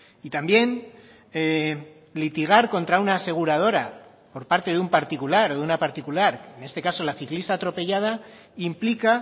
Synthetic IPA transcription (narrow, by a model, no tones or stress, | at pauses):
it̪ambje̞n | e | lit̪iɣ̞aɾko̞nt̪ɾaunaːse̞ɣ̞uɾað̞o̞ɾa | po̞ɾpaɾt̪e̞ðumpaɾt̪ikulaɾo̞ðunapaɾt̪ikulaɾene̞st̪e̞kaso̞laθiklist̪aːt̪ɾo̞pe̞ʝað̞a | implika